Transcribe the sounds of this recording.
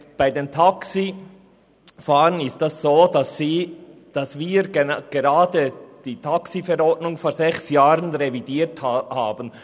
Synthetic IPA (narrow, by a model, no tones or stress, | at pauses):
b̥aɪdeːntʰaksi | faːʁənɪstasz̥oːdasi | d̥ɑsviːɾɡɡ̥eɾaːdəd̥iːtʰaksifɛɾɔdnʊŋfoːɾzɛçsjaːʁənʁevidiːthaːbən